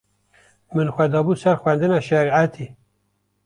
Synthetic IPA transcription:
mɨnxʷɛd̪ɑbuːsæɾxwɛnd̪ɨnæʃæɾiʕat̪ʰi

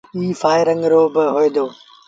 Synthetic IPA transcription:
iːfaːɪɾə̃ŋɡɾoːbɪɦoẽd̪oː

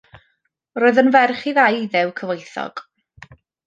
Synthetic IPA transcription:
roːɨðənvɛrχiðajðɛwkʰəvejθɔ̰ɡ̥

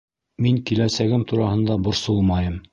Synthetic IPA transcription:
miŋkilæsæɡɘmt̪uɾɑhɤ̆nd̪ɑbŏɾsɤlˠmɑjɤm

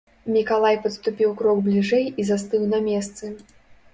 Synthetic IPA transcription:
mʲikalˠajpɐt̪st̪upʲiwkɾɔɡblʲiʐɛjizast̪ɨwnɐmʲɛst̪sɨ

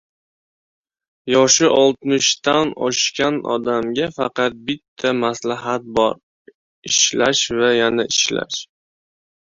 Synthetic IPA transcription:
jɒʃɪʔɒlˠt̪mʊʃt̪anɒʃkʲanɒ̰d̪amɡʲafɑqɑt̪̚bɪt̪ʰːamaslaɦat̪̚bɒɾ | ɪʃlaʃvajanaɪʃla̰ʃ

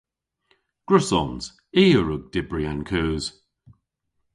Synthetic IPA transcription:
ɡ̥ɹʉsɔnz̥ | iːəɹəɡ̚d̥ɪbɹiankʰʉːz̥

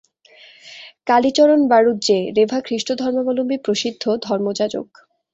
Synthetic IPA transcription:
kalit͡ɕɔɾonbaɾut̪̚d͡ʑeɾebʱakʰɾiʃʈod̪ʱɔɾmomɔlombipɾoʃid̪ʱːod̪ʱɔɾmod͡ʑad͡ʑo̰k

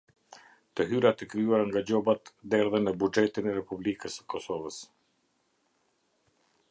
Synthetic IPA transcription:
t̪əɦyɾat̪ɛkɾiuaɾaŋɡad͡ʑɔbat̪d̪ɛɾðɛnəbud͡ʒɛt̪inɛɾɛpublikəsə̥kɔsɔvəs

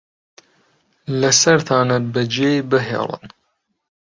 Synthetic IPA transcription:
lɐsɐɾt̪ʰaːnɐbɐd͡ʒeːjbɨɦḛːlˤɨə̰n

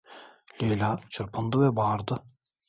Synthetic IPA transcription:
lʲelat͡ʃʰɯɾpʰɯnd̪ɯvɛbɑːɾd̪ɯ

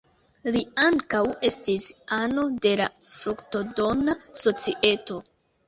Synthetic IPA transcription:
liaŋkawe̞stisano̞de̞lafɾukto̞do̞naso̞t͡siʔe̞to̞

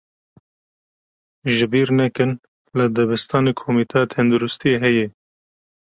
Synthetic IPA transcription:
ʒɨbiːɾnɛkɨn | lɨd̪ɛbɨst̪ɑːneːkʰomiːt̪ʰɛɑːt̪ʰɛnd̪uɾʊst̪ijeɦɛjɛ

